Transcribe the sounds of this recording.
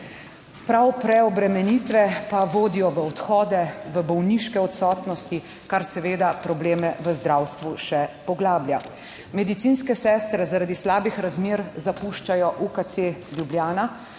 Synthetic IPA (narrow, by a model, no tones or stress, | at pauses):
pɾawpɾɛɔbɾɛmɛniːt̪ʋɛpaʋoːd̪ijɔʋəɔt̪xɔːd̪ɛʋəbɔwniʃkɛɔt̪sɔːt̪nɔst̪i | kaɾsɛʋeːd̪apɾɔbleːmɛʋəzd̪ɾawst̪ʋuʃɛpɔɡlaːblja | mɛd̪it̪sinskɛsɛːst̪ɾɛzaɾad̪islaːbixɾazmeːɾzapuʃt͡ʃajɔʔukat̪seljublʲjaːna